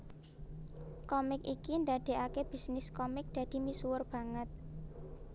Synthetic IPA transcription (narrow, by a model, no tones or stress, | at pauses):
kɔmɪkikind̪ad̪̥e̤ʔakeb̥i̤snɪskɔmɪk̚d̪̥ä̤d̪̥i̤misuwʊrb̥ä̤ŋət̪̚